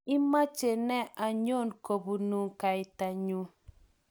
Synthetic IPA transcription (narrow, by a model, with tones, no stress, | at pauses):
ɪ˦ma˦t͡ʃe˨nɛ˦ʔa˨ɲo˦˨nko˨bu˨nu˨ŋka˨ɪ˨ta˨ɲu˨˦